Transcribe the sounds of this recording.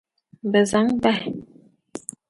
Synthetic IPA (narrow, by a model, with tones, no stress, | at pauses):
bə˨za˨˦ŋbɛ˦˨